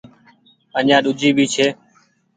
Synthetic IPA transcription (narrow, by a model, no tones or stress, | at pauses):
əɲãːɗʊd͡ʒʱiːbʱiːt͡ʃʰeː